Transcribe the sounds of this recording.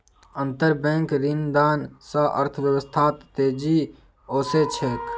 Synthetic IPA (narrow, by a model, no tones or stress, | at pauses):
ənt̪əɾbɛ̃ːŋkɾind̪aːnsəʔə̰ɾt̪ʰʋjəʋəst̪ʰaːt̪ːeːd͡ʒiː | oːset͡ʃʰek